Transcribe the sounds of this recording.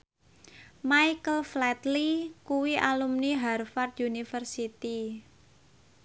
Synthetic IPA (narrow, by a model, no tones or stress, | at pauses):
majkəlflɛt̪likuwiʔalumniɦarfard̪unifərsit̪i